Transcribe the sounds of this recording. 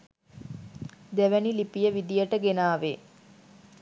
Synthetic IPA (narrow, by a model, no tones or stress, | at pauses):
d̪æʋænilipijəʋid̪ijəʈəɡenaːʋe